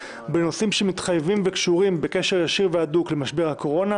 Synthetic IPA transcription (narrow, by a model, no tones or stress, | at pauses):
beno̞simʃemit̪χajvimvekʃuʁimbe̞keʃeʁjaʃiʁveaduklemaʃbeʁhako̞ʁo̞na